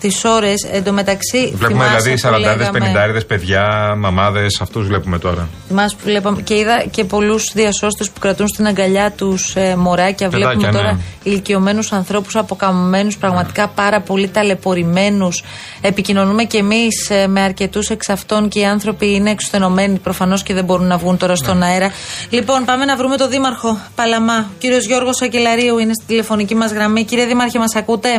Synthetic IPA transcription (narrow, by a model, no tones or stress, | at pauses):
st̪iso̞ɾe̞send̪ome̞t̪ɐksivleumeðilɐðisɐɾɐɐɾðespenind̪ɐeɾðespe̞ðʝɐmɐmɐðe̞sɐft̪uzvle̞pumet̪o̞ɾɐ̰ | imɐspule̞pɐmece̞iðɐce̞po̞lusðiɐso̞st̪e̞spu̥kɾɐt̪unst̪inɐŋɡɐʎɐt̪usmo̞ɾɐcɐvleɐmt̪oɾɐilicio̞me̞nusɐnθɾo̞pu̥sɐpo̞kɐmome̞nuspɾɐɣmɐt̪i̥kɐpɐɾɐpo̞lit̪ɐle̞po̞ɾime̞nus | e̞picino̞nume̞ce̞misme̞ɐɾce̞t̪use̞ksɐft̪o̞nce̞iɐnθɾo̞piineːkso̥t̪e̞no̞me̞nipɾo̞fɐno̞sceðebo̞ɾunːɐvɣunt̪o̞ɾɐst̪o̞nɐeɾɐlipo̞npɐme̞nɐvɾume̞t̪o̞ðimɐɾxo̞pɐlɐmɐociɾio̞zʝo̞ɾɣo̞sɐce̞lɐɾiuine̞st̪id̪ile̞fo̞nicimɐzɣɾɐmiciɾieðimɐɾçimɐsɐkut̪e̞